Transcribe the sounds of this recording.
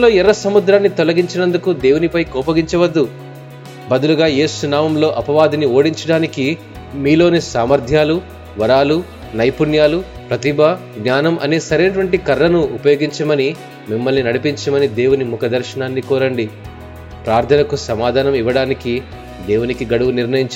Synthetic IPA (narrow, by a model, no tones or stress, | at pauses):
loːɛɾɐsɐmud̪ɾaːnːit̪ɔlɐɡiɲt͡ʃinɐnd̪ukud̪e̞ːwunipɐjkɔːpɐɡiɲt͡ʃɐʋɐd̪ːu | bɐd̪uluɡaːje̞ːsunaːmɐmlo̞ːʔɐpɐʋaːd̪inio̞ːɽiɲt͡ʃɐɽaːniki | miːlo̞ːneːsaːmɐɾd̪ʱjaːlu | ʋɐɾaːlu | nɐjpunjaːlupɾɐt̪ibʱɐ | ɡnaːnɐmʔɐ̰neːsɐɾeːnɐʈ̬ʋɐɳʈikɐɾːɐnuupɐjo̞ːɡiɲt͡ʃɐmɐni | mimːɐlninɐɽipiɲt͡ʃɐmɐnid̪e̞ːwunimukɐd̪ɐɾʃɐnaːnːikɔːɾɐɳɖi | pɾaːɾt̪ʰɐnɐkusɐmaːd̪ʱaːnɐmiʋɐɽaːniki | d̪e̞ːwunikiɡɐɽuʋuniɾnɐjiɲt͡ʃ